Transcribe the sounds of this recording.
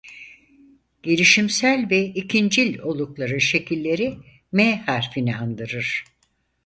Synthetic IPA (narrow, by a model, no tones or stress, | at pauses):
ɟ̥elʲiʃimsælʲvɛicʰind͡ʒilʲo̞lˠuklˠaɾɯʃe̞cʰilʲːe̞ɾi | mɛhaɾfiniand̪ɯɾɯɾ̥